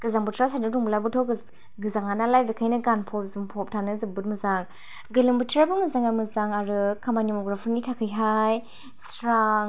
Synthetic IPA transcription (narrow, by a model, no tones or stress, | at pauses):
ɡ̥ɯzaŋbɯtʰɾasanɯduŋbəlabɯtʰɔɡ | ɡɯzaŋanalajbekʰajnɯɡanpʰɔp̚zɯmpʰɔp̚tʰanɯzɯbɯt̚mɯzaŋ | ɡɯlɯmbɯtʰɾabɯmɯzaŋamɯzaŋaɾɯkʰːamanimɔɡɾapʰinitʰakʰɯjɦaj | s | ɾaŋ